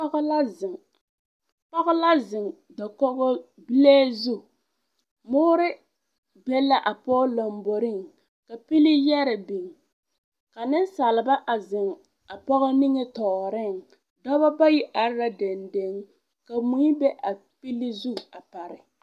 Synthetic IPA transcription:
ɣla˦ɪ˨ŋ | pɔ˦ɣɔ˦la˦zɪ˨ŋ | dɔ˨kɔ˦ɣɔ˦ | bi˦leː˦zu˦˨ | mʊː˦ɾɪ˦ | bɛ˦la˦ʔa˨pɔ˦lo˨mbo˨ɾɪ˦˨ŋ | ka˨pi˦li˦jɛ˦ɾɛ˨bi˨ŋ | ka˨nɪ˦n˦sa˨lɪ˨ba˦ʔa˨zɪ˨ŋ | a˨pɔ˦ɣɔ˦ni˦ŋɛ˦tɔː˨ɾɪ˦˨ŋ | dɔ˦ba˦ba˦ji˦ʔa˨ɾɾa˦de˨nde˦ŋ | ka˨mu˦i˦bɛ˦ʔa˨pi˦li˦zu˦˨a˨pa˨ɾɪ˨

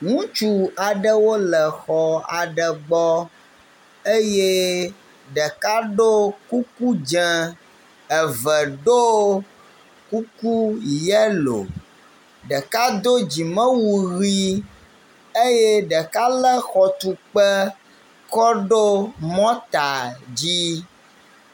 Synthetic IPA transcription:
ŋũ˦t͡ʃu˦a˨ɖə˦wo˦lə˨xɔ˨a̰˨ɖə˨ɡ͡bɔ˦ | e˦je˦ | ɖə˨ka˦ɖo˦ku˦ku˦d͡ʒɛ̃˨ | ɛ˨və˨ɖo˦ | ku˦ku˦jɛ˦lo̰˨ | ɖə˨ka˦d̪o˦d͡ʑi˨mə̃˦wu˨ɣi˦ | e˦je˦ɖə˨ka˦lə˦xɔ˨t̪u˨k͡pə˦ | kɔ˦ɖo˦mɔ̃˦t̪a˨d͡ʑi˦

